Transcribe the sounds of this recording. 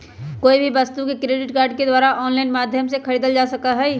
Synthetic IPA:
koːibʱibɐst̪ũkekɾeːɖɪʈkaːɾɖked̪waːɾaʔɔːnlaɪnmaːd̪ʱjəmsekʰɐɾiːd̪əld͡ʒaːsɐkaɦɛ

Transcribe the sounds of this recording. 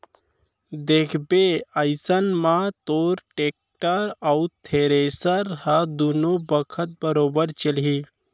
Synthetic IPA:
d̪eːkʰbeaɪsənmãt̪oːɾʈeːk̚ʈəɾaut̪ʰeːɾeːsəɾhɐd̪onobəkʰət̪̚bəɾoːbəɾt͡ʃəlɦiː

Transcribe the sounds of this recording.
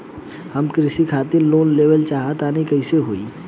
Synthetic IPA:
hɐmkɾɪsikʰaːt̪ɪɾloːnleːʋəlt͡ʃaːɦat̪aːnĩkɐɪseɦoːḭː

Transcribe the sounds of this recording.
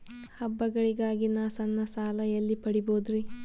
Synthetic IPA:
hɐbːɐɡɐɭiɡaːɡinaːsɐnːɐsaːlɐjɐlːipɐɽiboːd̪ɾi

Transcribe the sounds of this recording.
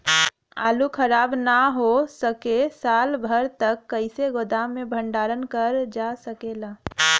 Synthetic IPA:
aːlukʰəɾaːbnaɦosəkesaːlbʱəɾt̪əkːəɪseɡod̪amẽbʱə̃ɳɖaːɾənkəɾd͡ʒasəkelaː

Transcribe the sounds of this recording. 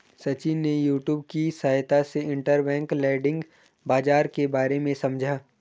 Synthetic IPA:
sɐt͡ʃinːejuːʈjuːb̚kisaːjt̪aseɪ̃ɳʈəɾbɛ̃ːŋklɛːɖɪ̃ŋɡ | baːd͡ʒaːɾkebaːɾemẽsɐmd͡ʒʱaː

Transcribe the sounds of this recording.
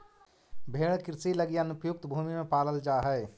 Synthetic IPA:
bʱeːɽkɪɾɪsiləɡijanʊpjʊk̚t̪bʱuːmimẽpaːləld͡ʒaːɦɛː

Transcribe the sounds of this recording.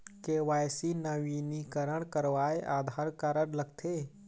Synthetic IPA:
keʋajsinəʋinikəɾəɽ̃kəɾʋaeʔaːd̪ʱaɾkaɾəɽləɡt̪ʰe

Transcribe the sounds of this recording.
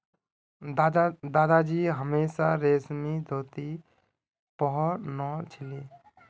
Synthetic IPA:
d̪aːd̪ad͡ʒiɦəmeːsaɾeːsmid̪ʱoːt̪i | pɔɦɔnɔt͡ʃʰili

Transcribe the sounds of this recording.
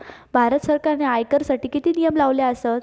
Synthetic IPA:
bʱaɾət̪səɾkaɾneajkəɾsaʈiːkit̪iːnijəmlaʋljaəsət̪

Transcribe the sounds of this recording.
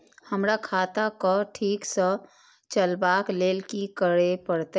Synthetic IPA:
həmɾakʰaːt̪akoʈʰiːksə | t͡ʃəlbaːkleːlkikəɽepəɽt̪a

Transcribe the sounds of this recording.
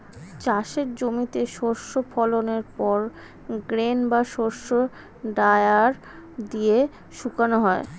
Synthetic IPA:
t͡ɕaʃeɾd͡ʑomit̪eʃoɾʃofʰɔloneɾpɔɾ | ɡɾenbaʃoɾʃo | ɖaeaɾ | d̪ie | ʃukanoɦɔe

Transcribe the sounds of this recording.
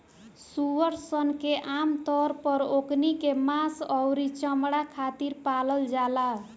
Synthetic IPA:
suwʌɾsʌnkeʔamt̪ʌɾpʌɾoknikemasʌwɾit͡sʌmɽakʰat̪irpalʌld͡zala

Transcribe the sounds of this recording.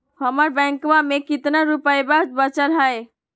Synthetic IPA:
həməɾbɛ̃ŋkmamekit̪naɾupəjbad͡ʒbət͡ʃəlɦəj

